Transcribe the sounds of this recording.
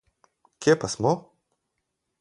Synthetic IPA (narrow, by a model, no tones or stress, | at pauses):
kʲjepasmɔ